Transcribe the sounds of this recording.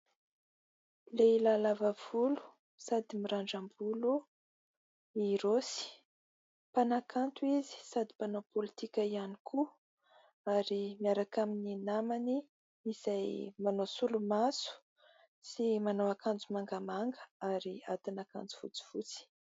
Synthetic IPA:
leilalavav̥ulu̥ | sad̪imiɾaɳɖ͡ʐambulu | iɾosi̥ | panakʰant̪uizi̥sad̪i̥panopolit̪ikʲaianikʰu | aɾimiaɾakamininamani | iz̥ajmanosulumasu̥ | simanoakand͡zumaŋɡamaŋɡə̥aɾia̰t̪inaka̰nd͡zu̥fṵt͡si̥fut͡si̥

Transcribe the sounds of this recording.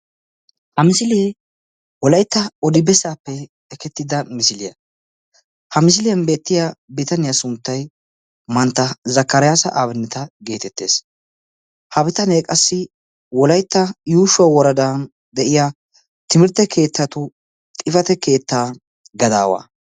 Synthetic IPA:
hɐmɪsɪliː | wɔlɐjt̪ːɐɔd̪ɪbɛsaːpːɛ | ɛkɛt̪ːɪd̪ɐmɪsɪlɪjɐ̰ | hɐmɪs̬ɪlɪjɐnbe̞ːt̪ːɪjabɪt̪ɐnɪjɐsʊnt̪ːɐj | mɐnt̪ːɐzɐkːɐɾɪjaːsɐʔaːbɛnːɛt̪ɐɡe̞ːt̪ɛt̪ːe̞̰ːs | hɐbɪt̪ɐnekʼɐsːɪ | wɔlɐjt̪ːɐjuːʃʊɐwɔɾɐd̪aːn | d̪ɛʔɪja | t̪ɪmɪɾt̪ːɛkʰe̞ːt̪ːɐt̪ʊ | t̪ʼɪfɐt̪ɛke̞ːt̪ːaː | ɡɐd̪a̰ːwa̰ː

